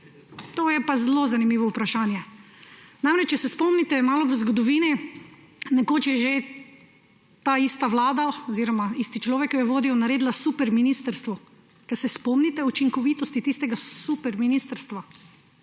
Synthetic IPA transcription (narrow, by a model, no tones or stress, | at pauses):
t̪oːjɛpazlozanimiːʋɔupɾaʃaːnjɛ | namɾɛt͡ʃt͡ʃɛsɛspɔmnit̪ɛmaːlɔʋəzɡɔd̪ɔʋiːni | nɛkoːt͡ʃjɛʒe | t̪aːiːst̪aʋlaːd̪aɔziːɾɔmaiːst̪it͡ʃlɔːʋɛkjɔjɛʋoːd̪iwnaɾeːd̪lasupɛɾminiːst̪əɾst̪ʋɔ | kɛsɛspɔmnit̪ɛut͡ʃiŋkɔʋit̪ɔst̪it̪ist̪ɛɡasupɛɾminist̪əɾst̪ʋa